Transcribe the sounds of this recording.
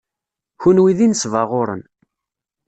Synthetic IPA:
çunwiðinəsvəʁʊɾə̰n

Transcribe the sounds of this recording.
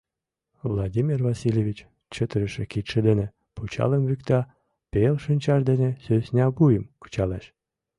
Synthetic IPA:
vlˠadʲimʲirvɑsilʲeβʲit͡ɕ | t͡ɕət̪əɾəʃĕkit̪ʃĕd̪enĕ | put͡ɕɑ̰ləmβykt̪ɑ | pelʃɨnʲt͡ɕɑʒd̪enĕsøsʲnʲɑbujəmkə̥t͡ɕɑleʃ

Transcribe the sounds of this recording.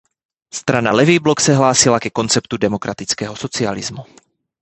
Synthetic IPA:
st̪ɾana̰lɛvibloksɛɦlaːsilakɛko̞nt͡sɛpt̪udɛmokɾʔat̪it͡skɛːɦosot͡sia̰lizmu

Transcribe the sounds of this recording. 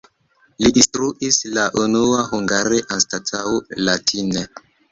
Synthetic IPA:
lidistɾuʔislaʔunuahuŋɡaɾeʔanstatʰaolatʰine

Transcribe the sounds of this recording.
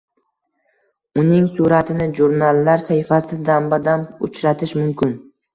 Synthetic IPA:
ʊnɪŋsuɾat̪ʰɪnɪʒuɾnalːaɾsaɪfasɪd̪ambad̪anʊ̰t͡ʃɾat̪ʰɪʃmʊmkʲʰɪn

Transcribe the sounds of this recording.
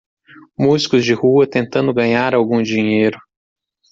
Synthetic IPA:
muzikʊzd͡ʒɪhuɐt̪ẽnt̪ɐ̃nd̪ʊɡɐ̃ɲaɾawɡũd͡ʒiɲejɾʊ

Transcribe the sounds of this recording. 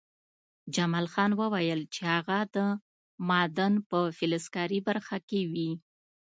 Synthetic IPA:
d͡ʒamɑlxɑnwəwajəlt͡ʃehaɣad̪ə | mɑd̪ənpəfɪlɪskɑɾibaɾxakewi

